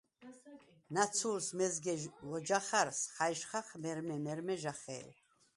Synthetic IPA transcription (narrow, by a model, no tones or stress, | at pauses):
nat͡sʰulsmɛzɡɛlɔd͡ʒaχaɾsχajʃχaχmɛɾmɛmɛɾmɛʒaχɛ̰ː